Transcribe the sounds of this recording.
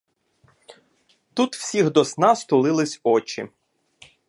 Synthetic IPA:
t̪ut̪w̥sʲiɣd̪ɔsnɑst̪ʊlˠɪlˠɪsʲɔt͡ʃḭ

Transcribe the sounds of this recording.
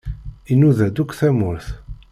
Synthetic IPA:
inuðæd̪ukːθæmʊɾθ

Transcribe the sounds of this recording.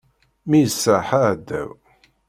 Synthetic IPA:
mijəsːaħaʕd̪ːæ̰w

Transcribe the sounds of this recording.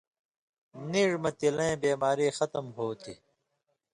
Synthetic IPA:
niːʐmɐt̪ilɐ̃ẽːbeːmaːɾiːxʌt̪əmɦoːt̪ʰḭ

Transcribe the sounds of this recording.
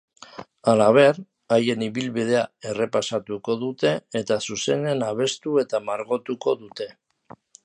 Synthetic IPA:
alaβ̞e̞ɾ | aje̞niβilβið̞e̞ae̞re̞pasat̪uko̞ðut̪e̞ːt̪asuse̞ne̞naβ̞e̞st̪ue̞t̪amaɾɣo̞t̪uko̞ðut̪e̞

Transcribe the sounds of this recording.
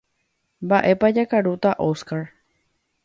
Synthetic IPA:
mbaʔe̞pad͡ʒakaɾut̪aʔoskaɾ

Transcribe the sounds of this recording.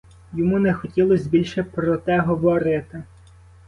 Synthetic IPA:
jɔmunɛxɔtʲilˠɔzʲbʲilʲʃɛpɾɔt̪ɛɦɔʋɔɾɪt̪ɪ

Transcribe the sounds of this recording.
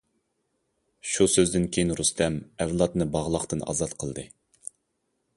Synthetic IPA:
ʃusøzd̪ɪnkʲʰejinɾust̪ʰɛmɛvlˠɑt̪nɨbɑʁlˠəχt̪ɨnɑ̰zɑt̪qʰəlˠd̪ɨ

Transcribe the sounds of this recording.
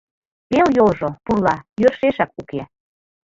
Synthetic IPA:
peljolʒopurlɑjørʃeʃɑkuke

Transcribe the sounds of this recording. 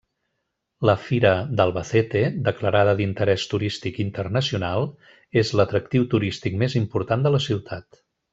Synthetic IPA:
ləfiɾəd̪əlˠβəθet̪ed̪əkləɾaðəðint̪əɾɛst̪uɾist̪ikint̪ərnəsiunalˠ | ezlət̪ɾək̚t̪iwt̪uɾist̪ikmezimpuɾt̪and̪ələsiwt̪ʰat̪

